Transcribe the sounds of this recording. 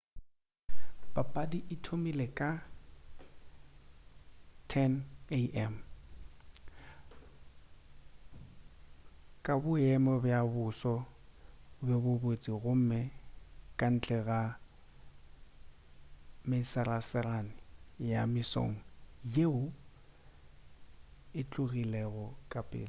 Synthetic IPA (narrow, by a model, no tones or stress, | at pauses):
bapʼadiʔɪtʰomilekʼa | tʰɛneʔɛm | kʼabʊɛmɔbjabʊsɔ | bɛbʊbot͡sʼiɣʊm̩mɛkʼan̩t͡ɬʼɛɣa | mɪsarasɪranɪjamɪso̰ŋ̩jeʊ | ɪt͡ɬʼʊɣilɛɣʊkʼapʼɪ̰ːlɔ